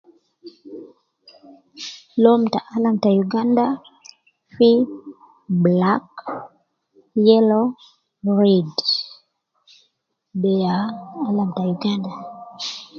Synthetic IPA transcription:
lɔmtaʔalamtajuɡanda | fi | blak | jɛlo | ɹid | bɛaːlamtajuɡanda

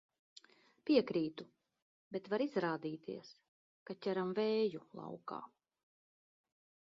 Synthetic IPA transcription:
pʲiɛkɾiːt̪u | bet̪vaɾizɾaːd̪iːt̪ʰḭɛs | kac̪ʲæɾamvɛːjulˠɑ̰wka̰ː

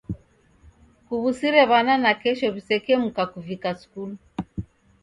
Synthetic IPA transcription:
kuβusiɾɛβananakɛʃɔβisɛkɛm̩kakuvikaskulu

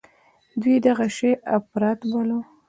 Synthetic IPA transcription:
d̪wid̪aɣaʃeʔafɾɑt̪balo

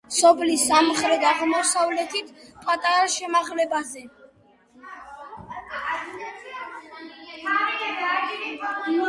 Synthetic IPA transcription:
sɔpʰlisamχɾɛd̪aʁmɔsavlɛt̪ʰit̪ʰpʼat̪ʼaɾaʃɛmaʁlɛbazɛ

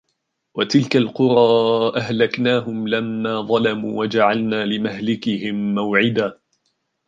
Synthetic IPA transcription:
wat̪ɪlkalqʊɾˤɑːʔahlaknaːɦʊmlamːaːðˤɑlamṵːwad͡ʒaʕalnaːlɪmahlɪkɪhɪmːawʕɪd̪aː

